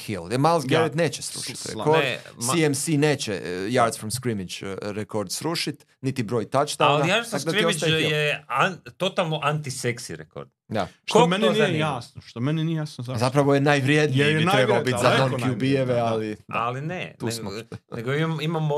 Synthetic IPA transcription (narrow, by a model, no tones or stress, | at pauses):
kild̪malˠsɡelit̪neːt͡ɕesɾṵʃi̥t̪ɾḛkoɾdsiemsine̞ːt͡ɕejaɾd̪sfɾomskɾimit͡ʃɾekoɾd̪sɾuʃit̪ | nit̪ibɾo̞ːjt̪at͡ʃt̪alaɾt̪akod̪atjost͡ʃ̪aijeat̪ot̪alˠnoʔant̪iseksḭɾḛko̰ɾd̪̥d̪a̰ʃkomeneniejasnoʃt̪omeninijejasnozazapɾaʋojenaːjʋɾjed̪nieiɾebaobit̪zanonkjubieʋealia̰linet̪uːsmoneɡoiimamo